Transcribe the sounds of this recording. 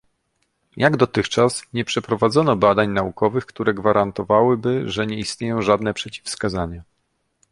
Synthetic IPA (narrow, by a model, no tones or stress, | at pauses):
jaɡd̪ɔt̪ɘxt͡ʂasɲɛpʂɛpɾɔvad̪zɔnɔbad̪aɲnaukɔvɘxkt̪uɾɛɡvaɾant̪ɔvawɘbɘʐɛɲɛist̪ɲejɔ̃w̃ʐad̪nɛpʂɛt͡ɕi̥fskazaɲa